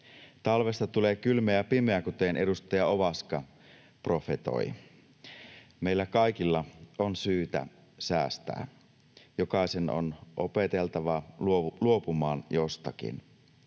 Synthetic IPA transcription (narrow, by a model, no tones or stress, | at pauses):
t̪ɑlʋe̞st̪ɑt̪uleːkylmeæpimeækut̪enʔe̞dust̪ɑjɑoʋɑskɑ | pro̞fe̞t̪o̰i | meilːækɑjk̟ilːɑonsyːt̪æ̰ | sæːst̪æ̰ː | jokɑˑiseno̰nʔope̞t̪elt̪ɑʋɑluluo̞pumɑːnjost̪ɑk̟ḭn